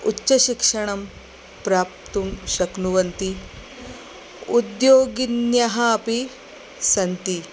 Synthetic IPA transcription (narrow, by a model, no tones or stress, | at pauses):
utːɕɐʃikʂɐɳ̃ɐm | pɾaːp̚t̪umʃɐknuʋɐnt̪i | ud̪joːɡinjɐɦɐɐpi | sɐnt̪i